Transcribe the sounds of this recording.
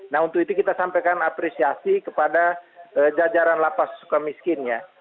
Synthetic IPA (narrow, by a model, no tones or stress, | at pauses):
naɦunt̪ukit̪ukit̪asampekanapɾesiasikəpadaʔəd͡ʒad͡ʒaɾanlapassu̥kamiskɪnja